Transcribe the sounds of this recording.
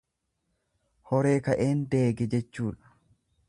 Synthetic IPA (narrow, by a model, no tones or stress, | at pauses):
hɔɾe̞ːkɐʔeːnd̪e̞ːɡɛd͡ʒɛt͡ʃːuːᶑɐ̥